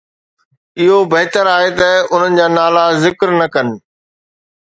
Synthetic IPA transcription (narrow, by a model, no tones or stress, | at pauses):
ɪɦobɐɦɪt̪əɾaːɦet̪ɐʊn̤ənɪ̆d͡ʑaːnaːlazɪkɾnɐkɐnɪ̆